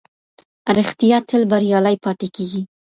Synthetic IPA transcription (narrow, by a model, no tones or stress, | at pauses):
ɾɪxt̪ijɑt̪ʰɪlbaɾjɑlajpɑʈekeɡi